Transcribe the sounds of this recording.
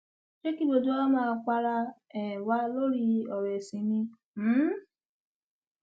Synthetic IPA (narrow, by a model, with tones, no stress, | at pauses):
ʃe˦ki˦bo˧du˦ɔ˦ɔ˦mãː˦˧˨k͡pa˦ɾa˧ɛ˨wa˦lo˦ɾi˧ɔ˨ɾe˨sĩ˨nĩ˧ | m̩˦